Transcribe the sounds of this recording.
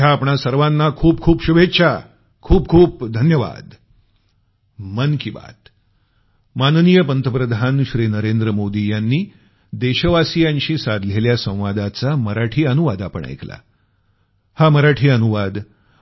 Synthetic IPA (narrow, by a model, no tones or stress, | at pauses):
jaːpɳasəɾʋanːakʰuːp̚kʰuːpɕubʱetːɕʰa | kʰuːp̚kʰuːp̚d̪ʱənjəʋa̰d̪ | mənkiba̰t̪ | mannijəpənt̪əpɾəd̪ʱanɕɾinəɾend̪ɾəmod̪ijanːiː | d̪eɕəʋasijãɲɕiːsad̪ʱleljasə̃w̃ʋad̪at͡saməɾaʈʰiːənuʋad̪apə̰ɳa̰jkla̰ | haməɾaʈʰiːənuʋad̪